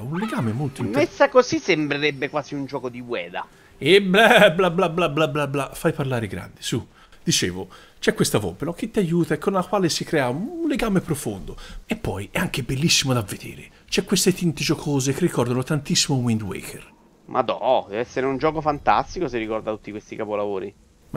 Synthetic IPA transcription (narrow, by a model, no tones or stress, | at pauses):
unleɡaːmemolt̪oimmesːakozisembɾeɾɛbːekwaːsiund͡ʒɔːkod̪iwɛːd̪a̰ | ebɛlablablablablablafːajparlaːɾeɡɾa̰nd̪isu | d̪it͡ʃḛːvo | t͡ʃɛkːwest̪avɔ̰benɔk̟ɪt̪ːiajuːt̪aekʰːonlakwaːlesikɾɛːaunleɡaːmepɾofond̪oepːɔjɛaŋk̟ebelːisːimod̪avːed̪ḛːɾḛ | t͡ʃɛkːwest̪et̪int̪ed͡ʒokʰoːzek̟erːikɔrd̪anot̪ant̪isːimowind̪wḛːkʰḛr | mʔa̰d̪ɔd̪ɛvɛsːeɾeund͡ʒɔːkofant̪a̰st̪ikoserːikɔrd̪at̪ːu̥t̪ːikwest̪ikapolavoːɾi